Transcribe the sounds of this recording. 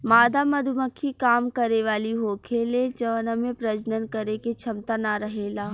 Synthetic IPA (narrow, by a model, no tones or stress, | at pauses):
maːd̪amɐd̪ʱuməkʰːikaːmkɐɾeʋaːliɦoːkʰeled͡ʒɐʋənəmẽpɾɐd͡ʒnənkəɾeket͡ʃʰɐmt̪anaɾɐɦelaː